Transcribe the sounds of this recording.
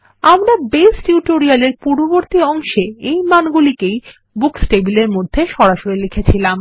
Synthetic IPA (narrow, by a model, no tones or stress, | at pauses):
amɾabesʈjuʈoɾialeɾpuɾboboɾt̪iɔŋʃeejmanɡulikej | buksʈebileɾmod̪ʱːeʃɔɾaʃoɾilekʰet͡ɕʰilam